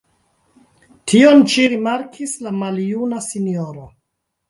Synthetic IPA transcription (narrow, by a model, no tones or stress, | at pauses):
tʰio̞nʃiɾimaɾkʰislamaljunasinio̞ɾo